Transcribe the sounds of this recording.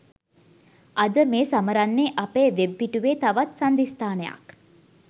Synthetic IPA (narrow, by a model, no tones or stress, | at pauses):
ʔɐd̪əmeːsaməɾanːeːʔɐpeːʋebːiʈuʋeːt̪ɐʋat̪sɐnd̪ist̪aːneja̰k